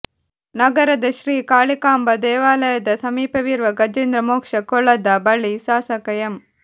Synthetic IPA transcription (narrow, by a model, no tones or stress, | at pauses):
nɐɡɐɾɐd̪ɐʃɾiːkaːɭikaːmbɐd̪eːʋaːlɐjɐd̪ɐsɐmiːpɐʋiːɾʋɐɡɐd͡ʒeːnd̪ɾɐmoːkʂɐkɔɭɐd̪aːbɐɭisaːsɐkɐjɐm